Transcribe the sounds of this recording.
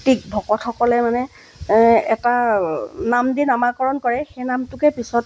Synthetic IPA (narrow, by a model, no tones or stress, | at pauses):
tik̚bʱɔkɔtʰxɔkɔlɛmanɛ | ɛta | namdinamakɔɹɔnkɔɹɛxejnamtʊkɛpisɔt